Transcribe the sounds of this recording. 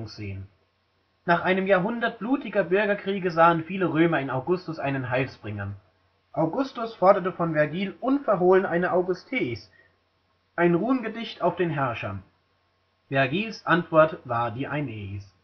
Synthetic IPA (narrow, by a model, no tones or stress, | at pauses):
ŋsz̥ḛːən | naːχʔaɪnəmjaːɐɦʊndɐt̚b̥luːtɪɡɐbʏɐɡɐkʁ̥iːɡəzaːənfiːləʁøːmɐɪnaʊɡʊstʊsʔa̰ɪnənɦaɪlsb̥ʁɪŋɐ̰ | ʔaʊɡʊstʊsfɔɐdɐtəfɔnvɛɐɡiːlʔʊnfɛɐɦoːlənʔaɪnəʔaʊɡʊstʰeːɪs | ʔaɪnʁuːənɡədɪçtaʊfd̥eːnɦɛɐʃɐ̰n | v̥ɛɐɡiːlsʔantv̥ɔɐtv̥aːɐdiːʔaɪneːis